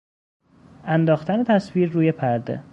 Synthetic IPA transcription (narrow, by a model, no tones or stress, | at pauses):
ænd̪ɒːxt̪ʰænet̪ʰæsviːɾːuːjepʰæɾd̪ḛ